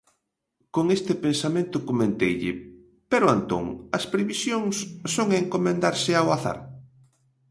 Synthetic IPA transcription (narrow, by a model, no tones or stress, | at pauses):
koŋest̪ɪpensamẽnt̪ʊkomẽnt̪ejʎɪ̰ | peɾʊant̪o̰ŋɐspɾeβisjoŋsːoŋeŋkomẽnd̪aɾsɪawaθa̰ɾ